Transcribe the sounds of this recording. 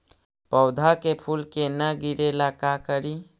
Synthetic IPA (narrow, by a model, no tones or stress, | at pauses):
pəwd̪ʱakepʰulkenəɡiɾelakakəɾi